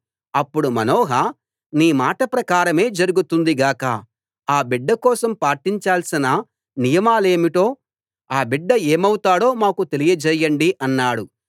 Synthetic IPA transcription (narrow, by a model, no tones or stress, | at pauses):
ɐpːuɽumɐnɔːɦɐ | niːmaːʈɐpɾɐkaːɾɐme̞ːd͡ʒɐɾuɡut̪und̪iɡaːkɐ̰ | aːbiɖːɐkɔːsɐmpaːʈiɲt͡ʃaːlsinɐ | nijɐmaːle̞ːmiʈo̞ː | aːbiɖːɐe̞ːmɐwut̪aːɽo̞ːmaːkut̪e̞lijɐd͡ʒɛːjːɐɳɖiʔɐnːaːɽu